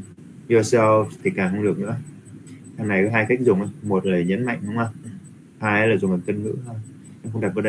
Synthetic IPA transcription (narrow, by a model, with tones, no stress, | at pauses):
ju˧sɛ˧t̪ʰi˨˩kaː˧˩ʔə˧ŋlɨ̰˧˨əŋnɨ̰˧˥ə | haː˨˩ŋna˨˩jkɔː˨˦ɦaː˧jka˦˥k̟̚zʊ˨˩wŋ͡mʔə˨˦mo˨˩t̚ləː˨˩jɲə̰˧˥nma̰˧˨jŋ̟ɗə˧wŋ͡mʔa˨˧˩ | haː˧jə˧˦laː˨˩zʊ˨˩ŋ͡ma˨˩t̪ə˧nnɨ̰˧˥a˧˩j | nɔ˨˦˥xə˧ŋ͡ma˨˩ʔəː˧˦ɗə˧